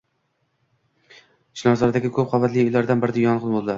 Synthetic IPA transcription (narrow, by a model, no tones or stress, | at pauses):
ʃʰɪnɒzɒɾd̪aɡʲɪkʰɵp̚qʰɒvat̪lɪjojlaɾd̪anbɪɾɪd̪ajɒnʁɨnˠbolˠd̪laɾ